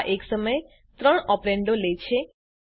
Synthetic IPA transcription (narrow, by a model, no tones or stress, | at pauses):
ʔeksəməj | t̪ɾəɳɔpɾeɳɖolet͡ʃʰe